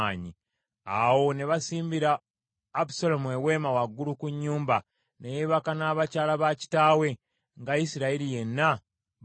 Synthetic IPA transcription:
aːɲi | awo̞neβasiːmbiɾaː | busolomue̞we̞ːmawaɡːulukuɲːuːmba | nejeβakanaːβacaːlaβaci̥taːwe̞ | ŋɡaisiɾaiɾije̞nːa

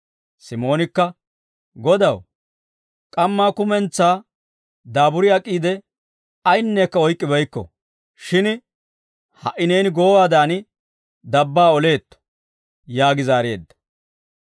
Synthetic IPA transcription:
sɪmo̞ːnɪkːɐ | ɡɔd̪ɐw | kʼɐmːaːkʊmɛnt͡sːaː | d̪aːbʊɾɪɐkʼːiːd̪ɛ | ɐjnːeːkːɐɔjkʼːɪbɐjkːɔ̰ | ʃɪn | hɐ̰ʔːɪneːnɪɡoːwaːd̪aːnɪ | d̪ɐbːaːɔle̞ːt̪ːɔ̥ | jaːɡɪzaːɾe̞ːd̪ːɐ̥

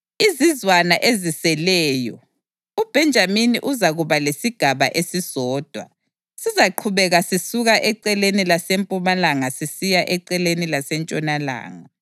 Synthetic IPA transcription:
izizwanaʔezisɛlɛːjɔ̰ | ub̥ʱɛnd͡ʒʱaminḭʔuzaɣuβalesiɡ̥ʱaβa̰ʔesizɔːd̥ʱwa̰ | sizaǃʰuβɛɣasisuɣaʔɛǀɛlenilasempʼumalaŋasisijaʔɛǀɛlenilasɛnt͡ʃʼɔnala̰ːŋa

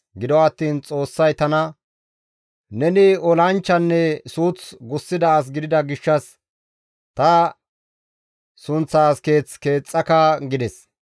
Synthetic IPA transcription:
ɡɪd̪ɔːt̪ːiːnt͡sʼo̞ːsːɐjt̪ɐnɐ | nɛnɪɔlɐnt͡ʃːɐnːɛsuːt͡sɡʊsːɪd̪ɐːs̬ɡɪd̪ɪd̪ɐɡɪʃːɐs | t̪ɐ | sʊnt͡sːaːskeːt͡ske̞ːt͡sʼːɐkɐɡɪd̪ɛs

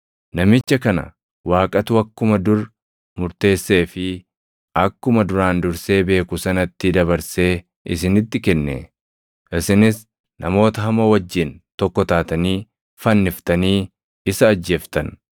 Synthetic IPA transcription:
nɐmɪt͡ʃːɐkɐnɐ̰ | waːkʼɐt̪ʊɐkːʊmɐd̪ʊɾ | mʊɾt̪e̞ːsːe̞ːfɪ | ʔɐkːʊmɐd̪ʊɾaːnd̪ʊɾse̞ːbe̞ːkʊsɐnɐt̪ːɪd̪ɐβɐɾse̞ː | ʔɪs̬ɪnɪt̪ːɪkɛnːḛ | ʔɪsɪnɪs | nʔɐmo̞ːt̪ɐɦɐmɐwɐd͡ʒːɪnt̪ɔkːɔt̪aːt̪ɐniː | fɐnːɪft̪ɐniː | ɪsɐːd͡ʒːe̞ːft̪ɐn

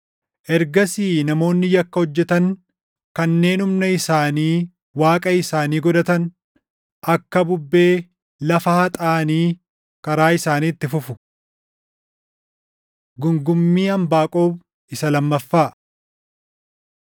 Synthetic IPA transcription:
ʔɛɾɡɐsiːnɐmo̞ːnːɪjɐkːɐhɔd͡ʒːɛt̪ɐŋ | kɐnːe̞ːnʊmnɐɪsaːniː | waːkʼɐɪsaːniːɡɔd̪ɐt̪ɐn | ɐkːɐbʊbːe̞ː | lɐfɐhɐt̪ʼaːniː | kɐɾaːɪsaːniːt̪ːɪfʊfʊ̥ | ɡʊŋɡʊmːiːɐmbaːkʼo̞ːb | ɪsɐlɐmːɐfːaː

